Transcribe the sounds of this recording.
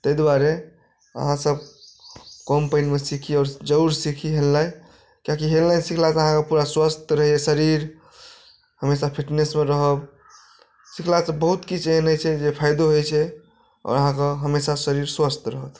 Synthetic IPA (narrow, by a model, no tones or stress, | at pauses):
t̪əjd̪waɾe | ə̰ɦãsəb̚ | kɔmpəɪnmesikʰiɔːɾd͡ʒəuɾsikʰiɦellaj | kãkiɦelːajsikʰlasəɦãkepuɾaswəst̪ɾəɦesəɾiɾ | həmesapʰiʈnesmeɾəɦəb | sikʰlasəbbəɦut̪kit͡ʃʰeɦənəjt͡ʃʰɛd͡ʒepʰajd̪oɦojt͡ʃʰɛ | ɔ̰ːɾəɦãkeɦəmesasəɾiɾswəst̪ɾəɦət̪